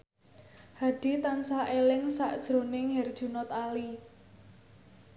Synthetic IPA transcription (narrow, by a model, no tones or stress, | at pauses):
haɖ̥it̪ansaʔelɪŋsaʔd̥ʒ̥ɾo̤nɪŋɦɛrd̥ʒ̥ṳnɔt̪ali